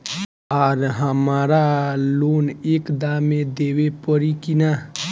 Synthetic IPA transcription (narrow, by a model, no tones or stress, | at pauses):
aːɾɦəmaːɾaloːneːkd̪amẽd̪eːwepəɾikina